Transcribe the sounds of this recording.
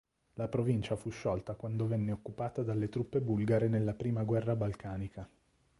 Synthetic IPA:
lapɾovint͡ʃafuʃːɔlt̪akwand̪ovɛnːeokːupaːt̪ad̪alːet̪ɾupːebulɡaɾenelːapɾiːmaɡwɛrːabalkaːnika

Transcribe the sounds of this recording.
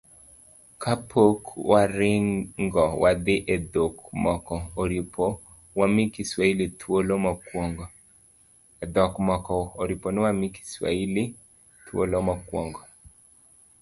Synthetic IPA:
kʰapʰokwaɾɪŋŋɡɔwad̪ɪʔɛd̪okmɔkɔɾipo | wamɪkiswailit̪ʰwolomɔkɔŋɡ | ɛd̪ɔkmɔkɔoɾiponɪwamɪki̥swa̰ili | t̪ʰwo̰lomakwɔŋɡɔ

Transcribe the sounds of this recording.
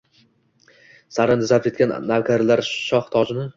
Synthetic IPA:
saɾɪnd̪ɪzap̪̚ekʲanːavkʰʲaɾɪlaɾʃɒχt̪ʰɒd͡ʒɪnɪ

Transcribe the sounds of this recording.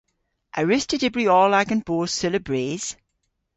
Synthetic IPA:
ʔəɹɪstədɪbɹiɔːlaɡə̃nb̥oːsɪləbɹeːz̥

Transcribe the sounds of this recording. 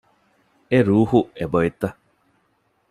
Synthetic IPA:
eɾuhueboet̪a

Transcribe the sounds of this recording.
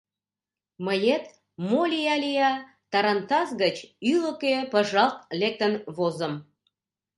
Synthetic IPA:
məjet̪ | molʲijɑlijɑ | t̪ɑɾɑnt̪ɑzɡət͡ɕyləkepəʒɑlt̪̚lek̚t̪ənβozə̆m

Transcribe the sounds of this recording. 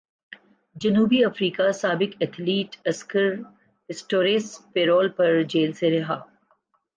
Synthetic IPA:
d͡ʒɐnuːbiɐfɾiːkasaːbɪkɛt̪ʰliːʈɐskəɾ | ɦɪsʈoːɾespeːɾoːlpɐɾd͡ʒeːlseɾɐɦaː

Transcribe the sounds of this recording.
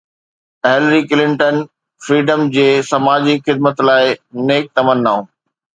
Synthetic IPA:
ɦelɾikɪlɪ̃ɳʈən | fɾiːɖəmd͡ʑeːsɐmaːd͡ʑixɪd̪̚mət̪laːɪneːk̚t̪ɐmənːaːũː

